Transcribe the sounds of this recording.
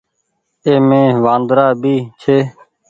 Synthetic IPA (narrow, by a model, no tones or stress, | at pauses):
eːmẽːʋãːnd̪ɾaːbiːt͡ʃʰeː